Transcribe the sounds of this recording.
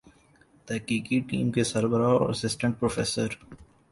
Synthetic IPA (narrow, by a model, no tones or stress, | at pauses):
d̪̥əkiːkiʈḭ̃ːmkesəɾbəɾaɔ̰ːɾəsɪsʈə̃ɳʈ̚pɾoːfeːsəɾ